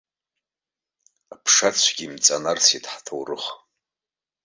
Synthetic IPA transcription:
apʰʂat͡ɕʷʰɡʲimt͡sʼanart͡sʰitʰʼħtʰowrɨχ

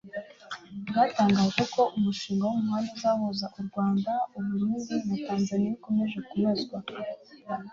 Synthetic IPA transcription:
jaːtaːŋɡaːʒe̞ko̞ʔumuʃiːŋɡawomuhandozaβozaʔuɾɡwaːndauβuɾiβinataːnzaniikome̞ʒekumazɡwa

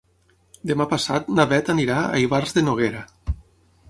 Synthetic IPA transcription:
d̪emapasa̰t̪naβɛt̪aniɾaa̰jβarzðenoɣ̞eɾa

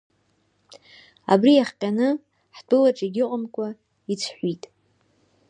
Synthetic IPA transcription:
a̰brijaχqʲʼanɨ | ħdʰʼʊlaʈ͡ʂʼeɡʲɪqʼamkʷʰʼa | it͡sʰħʷitʼ

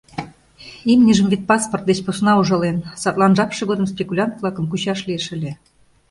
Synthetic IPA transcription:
imnʲiʒə̆mvit̪̚pɑsport̪̚d̪et͡ɕposnɑuʒɑlensɑt̪lˠɑnʒɑpʃɤ̆ɣod̪ə̆mspʲekulʲɑnt̪vlˠɑkə̆mkuɕɑʃlieʃə̆lʲĕ

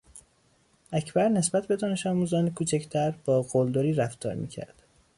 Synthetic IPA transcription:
ʔæcʰbæɾne̞sbæt̪̚ʰbe̞d̪ɒːne̞ʃɒːmuːzɒːnekʰuːt͡ʃʰæcʰt̪ʰæɾb̥ɒːɡold̪oɾiːɾæft̪ɒ̰ːɾmḭːcʰæ̰ɾd̪̥

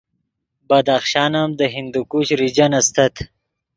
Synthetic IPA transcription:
bɐd̪axʃɑːnamd̪əɦind̪ukuɕɾid͡ʒanɐst̪ɐt̪ʰ

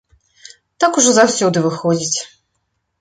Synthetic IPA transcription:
t̪akuʐɔzawsʲɔd̪ɨvɨxɔd͡zʲit͡sʲ

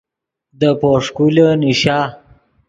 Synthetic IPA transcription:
d̪əpoʂkuləniʃaː

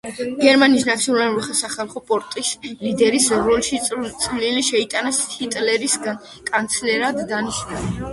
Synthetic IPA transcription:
ɡɛɾmaniːsnat̪sʰiɔnlaluɾiχasaχalˠχɔpʼɔɾt̪ʼislid̪ɛɾisɾɔlʃit̪sʼliliʃɛit̪ʼanashit̪ʼlɛɾisɡan | kʼant̪sʰlɛɾad̪ːaniʃnuli

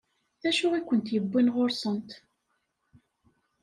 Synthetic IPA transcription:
θæʃʊʁikʷːənt̪jəbːinʁoɾsˤənt̪

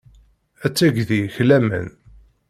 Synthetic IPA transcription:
æt͡sːæɡðiçlæmə̰n

